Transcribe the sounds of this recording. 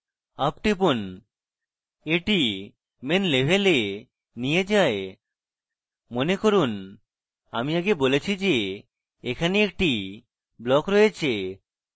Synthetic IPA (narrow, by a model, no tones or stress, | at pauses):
ap̚ʈip̬un | eʈi | menlebʱele | nied͡ʑae | monekoɾun | a̰miaɡebolet͡ɕʰid͡ʑe | ekʰaneek̚ʈi | blɔkɾɔjet͡ɕʰe